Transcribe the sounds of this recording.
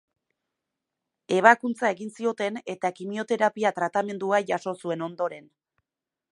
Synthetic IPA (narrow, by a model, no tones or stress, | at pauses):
e̞β̞akunt͡sae̞ɣinsio̞t̪e̞ne̞t̪akimio̞t̪e̞ɾapiat̪ɾat̪ame̞nd̪uaʝaso̞sue̞no̞nd̪o̞ɾe̞n